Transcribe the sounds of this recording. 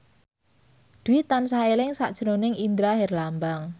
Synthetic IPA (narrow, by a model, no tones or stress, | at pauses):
d̪̥uit̪ansaelɪŋsa̰ʔd̥ʒ̥ənonɪŋind̪ɾaɦɛrlambaŋ